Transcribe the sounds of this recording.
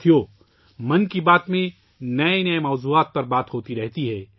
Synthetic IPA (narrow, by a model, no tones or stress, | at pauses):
ijoː | mɐnkibaːt̪mẽ | nɐenɐemɔːzuːaːt̪̚pɐɾbaːt̪ɦoːt̪iɾɛɦt̪iɦɛː